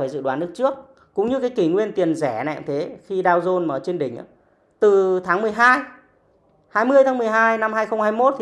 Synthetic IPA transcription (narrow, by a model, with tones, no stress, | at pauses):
aː˧˩zɨ̰˧˨ɗwaː˨˦nːɨ˦˥ək̚t͡ɕɨ˦˥ək̚ː | ʊ̰˧˥ŋ͡mɲɨ˧kaː˨˦jki˧˩ŋwi˧ənt̪i˨˩ənzɛ˧˩nɛ̰˧˨t̪ʰe˨˦xi˧ɗaː˧wzo˧nməː˧˩t͡ɕe˧nɗï˧˩ŋ̟ʔa̰ː˧˦ | t̪ɨ˨˩t̪ʰaː˨˦ŋmɨ˨˩əjɦaː˧j | haː˧jmɨ˧əj̪ʰaː˨˦ŋmɨ˨˩əjɦaː˧jna˧mhaː˧jxə˧wŋ͡mhaː˧jmo˦˥t̚t̪ʰi˨